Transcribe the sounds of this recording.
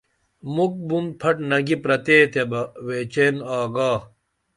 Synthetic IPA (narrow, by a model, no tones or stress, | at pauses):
muk̚bumpʰɐʈnɐɡipɾɐt̪eːt̪ʰebɐweːt͡ɕeːnaːɡaː